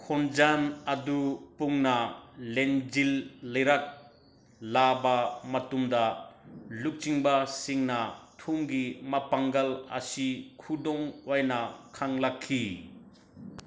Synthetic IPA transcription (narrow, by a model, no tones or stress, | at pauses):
kʰɔnd͡ʒanɐdupuŋnɐleŋd͡ʒilːɐjɾak̚ | labamɐtumdɐ | luk̚t͡ʃiŋbasiŋnɐtʰumɡimɐpaŋɡɐlɐ̰sikʰudɔŋwajnɐkʰaŋlakʰːi